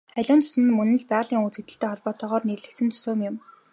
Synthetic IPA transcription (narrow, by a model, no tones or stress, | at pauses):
æɮʲʊːnt͡sʊ̥sɘ̆nɘ̆nmɵnɘ̆ɮpæːʁ̆ɮiːŋuːt͡set̪ɘ̆ɬt̪eːχɔɮpɔːt̪ɔːʁɔːrnerɮɘ̆kt͡sɘ̆nt͡sʰʊ̥soːmjʊm